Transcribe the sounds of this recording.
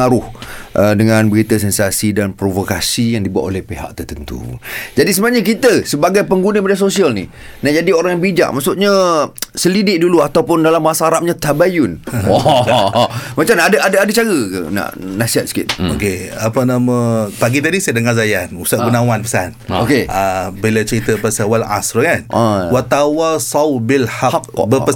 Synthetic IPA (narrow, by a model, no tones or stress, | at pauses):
aɾʊhʔədəŋãnbəɾit̪asɛnsasidanpɾovokasijaŋdibua̰ʔ̪olɛhpeɦa̰ʔ̚t̪ərt̪ənt̪ṵd͡ʒadis̬əmaʔɲak̬it̪əsəbaɡajpəŋɡunəmədiasosialnḭ | nad͡ʒadioɾaŋjaŋbid͡ʒa̰ʔ̚ma̰ʔsʊʔ̪̚ɲasəlidɪʔ̚duluat̪awpʊndalamːasaaɾap̚ɲat̪abajʊn | mat͡ʃamnadaadaadət͡ʃaɡəkə̰na̰ʔnasiat̪sə̥kɪ̰t̪̚o̰keapənãmə̃paɡit̪adisadəŋazajanusaʔ̚ɡunãwanpəsa̰nokeabilat͡ʃəɾit̪əpasawala̰sɾkanawat̪awasawbilħakbəpə